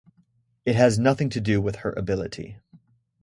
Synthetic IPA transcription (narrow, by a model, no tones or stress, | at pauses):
ɨt̚ɦɨznʌθɪ̃ŋtʰɨdɨwɪð̥hə˞ʔɨ̰bɪlˠəɾḭ